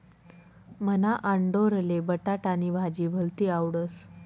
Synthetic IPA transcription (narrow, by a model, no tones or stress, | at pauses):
mənaʔaɳɖoɾəlebəʈaʈaniːbʱad͡ʑiːbʱəlt̪iːawɽəs